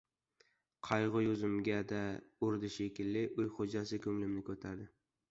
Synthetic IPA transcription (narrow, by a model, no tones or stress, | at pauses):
qʰɑjʁʊjʊzɪmɡʲad̪aʊɾd̪ɪʃekʲɪlːɪʔɵjχod͡ʒasɪkʲʰɵmlɪmnɪkʲʰɵt̪ʰaɾd̪ɪ